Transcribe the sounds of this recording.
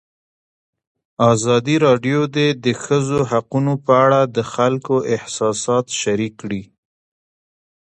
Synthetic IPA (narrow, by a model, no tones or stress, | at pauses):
ɑzɑd̪iɾɑɖjod̪ed̪əxəzoɦaqunopəaɽad̪əxalkoʔɪhsɑsɑt̪ʃaɾikːɽi